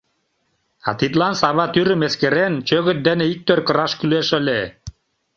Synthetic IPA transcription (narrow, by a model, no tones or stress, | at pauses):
ɑ̰t̪it̪lɑnsɑβɑt̪yɾə̆meskeɾent͡ɕøɣə̆t̪̚d̪eneik̚t̪ørkə̆ɾɑʃkyleʃə̆lʲe